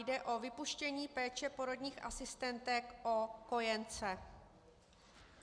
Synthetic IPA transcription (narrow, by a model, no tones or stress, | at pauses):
jdɛʔo̞vɪpuʃcɛɲiːpɛːt͡ʃɛpo̞ɾo̞dɲiːxʔa̰sɪst̪ɛnt̪ɛkʔoko̞jɛnt͡sɛ